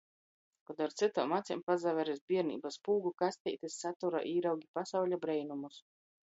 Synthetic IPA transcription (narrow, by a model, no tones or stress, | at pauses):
kɔd̪aɾt̪sɨt̪ɔːmat̪sʲimpazavɛɾizbʲiɛɾnḭːbaspuːɡukasʲt̪ʲɛjt̪isːat̪uɾa̰ʔiːɾawɡʲipasawʎʲabɾɛjnumus